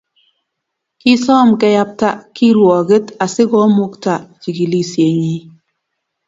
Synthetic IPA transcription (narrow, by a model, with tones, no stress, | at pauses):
ki˦sɔ˦˨mkɛ˦ja˦p̚ta˦ki˦ɾwɔ˨ɡe˦ta˨sɪ˦ɡɔ˦mʊ˦kta˨t͡ʃi˨ɡi˨li˦˨sje˨ɲi˦